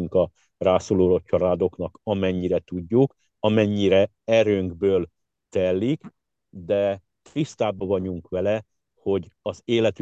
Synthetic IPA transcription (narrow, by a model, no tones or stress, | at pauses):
yŋkɒ | raːsoːloːlot͡ʃːɒɾaːd̪o̞knɒkɒmɛɲːiɾɛt̪uɟːuk | ɒmɛɲːiɾɛ | ɛɾøːŋɡbøːl | t̪ɛlːik | d̪ɛ | t̪rist̪aːbɒvɒɟuŋkʋɛlɛ | ho̞ɟɒzeːlɛt̪